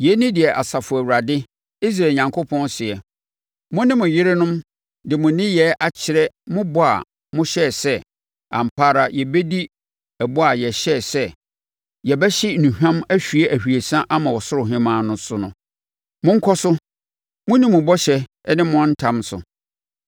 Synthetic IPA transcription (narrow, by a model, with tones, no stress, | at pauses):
jɛ˨˦nɪ̃˦dɪ˨ɛ˨ʔa˨sa˨fʊ˨æ˨wu˨ɾa˨dɪ˦ | i˦s̬ɾaː˨ɲã˨ŋkʰo˦pʰɔ̃˦nsɪ˨ɛ˨ | mʊ̃˦nɪ̃˦mʊ̃˨jɪ˦ɾɪ˦nʊ̃˦m | dɪ˨mʊ̃˨nɪ̃˦jɛ˨˦ʔa˨t͡ɕʰɪ˨ɾɛ˦mʊ̃˦bɔ˦˨a̰˨ | mʊ̃˦ɕɛ˦˨sɛ˦ | ã̰˨m̩˨pʰaː˦ɾa˨jɛ˨bɛ˦di˦ | ɛ˨bɔ˦a˨jɛ˨ɕɛ˦˨sɛ˦ | jɛ˨bɛ˦ɕɪ˦nũ˨hᶣã˦mæ˦ɕᶣɥe˦ʔæ˨hᶣi˨e˨sã˦ʔa˦mã˨wɔ˨sʊ˦ɾʊ˨ɦɪ̃˦mãː˦nʊ̃˦sʊ˦nʊ̃˦ | mʊ̃˦ŋ̩˦kʰɔ˦sʊ˦ | mʊ̃˦nɪ̃˦mʊ̃˨bɔ˦ɕɛ˦ | nɪ̃˦mʊ̃˦ɔ̃˦n̩˦tʰã˦msʊ̰˨